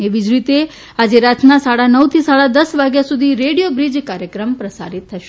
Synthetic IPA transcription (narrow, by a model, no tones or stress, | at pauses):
eʋid͡ʒɾit̪e | ad͡ʒeɾat̪ʰnasaɽanəwt̪ʰisaɭad̪əsʋaɡjasud̪ʱiɾeɽijobɾid͡ʒkaɾjəkɾəmpɾəsa̰ɾit̪ʰːəʃe